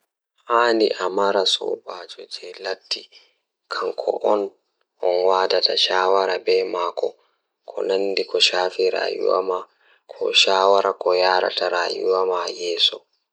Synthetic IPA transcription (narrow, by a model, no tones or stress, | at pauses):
haːniʔamaɾasɔ̰baːd͡ʒɔd͡ʒɛlatːi | kʰaŋkʰɔ̰ʔɔn | ʔɔnwadataʃaːwaɾabɛmaːkʰɔ | kʰɔ̰nandikɔʃaːfiɾa̰ːjṵwa̰ma | kʰɔ̰ʃaːwaɾʔakɔjaːɾa̰tʰaɾaːjṵwamajɛːsɔ